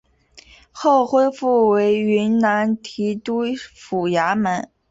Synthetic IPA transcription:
xo˥˩ʊxwe˥ɪfu˥˩we˧˥ɪy˧˥nna˧˥nt̪ʰi˧˥t̪u˥fu˨˩ja˧˥mə˧˥n

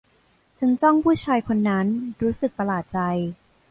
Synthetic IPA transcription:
t͡ɕʰa˦˥nt͡ɕɔ˥˩ŋpʰuː˥˩t͡ɕʰaː˧jkʰo˧nːa˦˥nɾuː˦˥sɯ˨˩k̚p̪a˧laː˨˩t̪̚t͡ɕa˧j

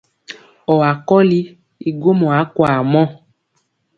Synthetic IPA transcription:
ɔ˨a˨kɔ˦li˦ | i˨ɡo˦mɔ̃˨a˨˦kwa˨mɔ̃˦˨

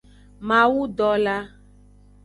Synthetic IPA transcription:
mã˨wu˦ɖɔ˨la˦

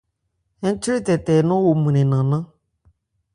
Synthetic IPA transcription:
ɛ̃˦n˦t͡ʃi˦ɾi˦tɛ˨tɛ˨˦nʊ̃˦wo˨mĩ˨nẽ˨nã˨nã˦

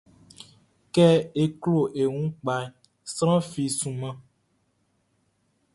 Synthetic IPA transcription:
kɛ˦e˦klo˨ʔe˨ŋũ˦k͡pa˨ | sɾ̃ã˦fi˨sũ˨mã˦

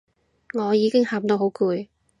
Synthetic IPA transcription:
ŋɔː˨˧jiː˨˧kɪ˥ŋhaː˨mt̪o˧wɦo˨˥wkuː˨˧j

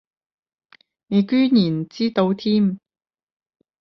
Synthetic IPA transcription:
ne˨˧kyː˥njiː˨˩n˨t͡siː˥t̪o˨˧wt̪ʰiː˥m

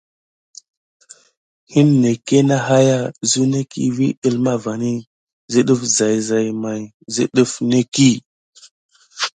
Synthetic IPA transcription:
hi˦nːe˨ke˦na˦ɦa˦ja˦˨zu˦ne˦kḭ˦vḭ˦ɗi˦lma˦va˨ni˦ | zi˦ɗu˦fza˨jza˨jma˨j | zḭ˦ɗu˦fne˦ki˦˨

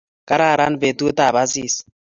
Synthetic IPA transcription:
ka˦ɾaː˦˨ɾa˦n˦˨βe˨tu˦o˦ta˨βa˦siː˦˨s

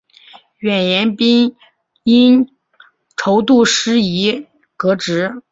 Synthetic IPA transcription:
ɥɛ˨˩njɛ˧˥npi˥n | i˥n | ʈ͡ʂʰo˧˥ʊt̪u˥˩ʂɻ̩˥i˧˥ | kɤ˧˥ʈ͡ʂɻ̩˧˥

